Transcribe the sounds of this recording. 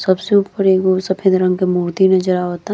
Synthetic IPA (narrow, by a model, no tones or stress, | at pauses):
sɐbsepəɾeɡosɐpʰẽd̪ɾə̃ŋɡkemuːɾt̪inɐd͡ʒəɾaɦoːt̪a